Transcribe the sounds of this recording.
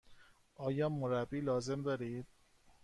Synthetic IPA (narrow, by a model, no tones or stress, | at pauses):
ʔɒːjɒːmoɾæbːiːlɒːze̞md̪ɒːɾiːd̪̥̚